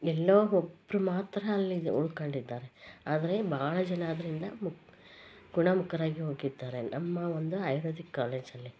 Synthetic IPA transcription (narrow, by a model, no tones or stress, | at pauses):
ɛlːoːɔbːɾumaːt̪ɾɐːlːiṵɭkɐɳɖid̪ːaːɾe̞aːd̪ɐɾe̞bʱaːɭɐd͡ʒɐnaːd̪ɐɾind̪ɐmu | ɡ̥uɳɐmukɐɾaːɡiɦo̞ːɡid̪ːaːɾe̞nɐmːɐond̪uaːjɾoːd̪ikːaːleːd͡ʒɐlːi